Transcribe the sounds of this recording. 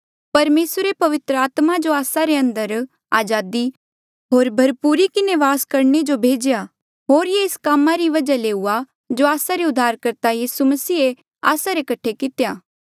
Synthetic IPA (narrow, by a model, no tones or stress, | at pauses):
pɐɾmeːsɾepɐʋɪt̪ɾəaːt̪mad͡ʒoaːsaɾeɐ̃nd̪əɾ | aːd͡ʒaːd̪i | ɦoːɾbʱɐɾpuːɾikɪneʋaːskɐɾɳed͡ʒobʱeːd͡ʒja | ɦoːɾjeɪskaːmaɾiʋɐd͡ʒaleːua | d͡ʒoaːsaɾeʊd̪ʱːaːɾkɐɾt̪ajiːsumɐsiːe | a̰ːsaɾekɐʈʰːekɪt̪jaː